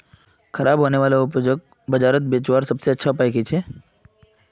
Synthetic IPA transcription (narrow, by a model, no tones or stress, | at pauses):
xɐɾaːbɦoːneʋaːlaʊpd͡ʒək̚ | bɐd͡ʒaːɾət̪̚beːt͡ʃwaːɾsɐbseɐtːʃʰapaːjket͡ʃʰeː